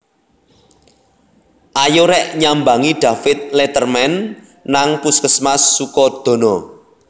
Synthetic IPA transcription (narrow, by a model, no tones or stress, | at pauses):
ʔajoɾɛʔɲambaŋiɖ̥a̤fɪt̪̚let̪ərmɛnː | aŋpuskəsmasːukɔd̪̥o̤nɔ